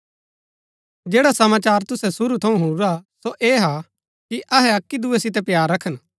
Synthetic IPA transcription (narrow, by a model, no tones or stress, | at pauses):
d͡ʒeːɽasɐmaːt͡ʃaːɾt̪ʊsɛsʊɾut̪ʰɐũɦuɾɾasoʔeːɦa | kiʔɐɦɛɐkːid̪uɛsɪt̪̬ɛpjaːɾːɐkʰən